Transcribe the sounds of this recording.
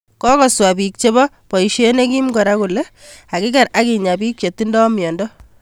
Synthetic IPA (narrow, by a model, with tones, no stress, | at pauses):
kɔ˦kɔ˨swa˨pik̚t͡ʃe˦bɔ˦ | pɔ˨iʃe˦ne˦ki˦mɡɔ˨ɾa˦ku˨le˦ | a˨kɪ˦ka˨ɾa˦ki˨ɲa˨bi˦k̚t͡ʃe˨tːi˦ndɔ˦mjɔ˨ndɔ˦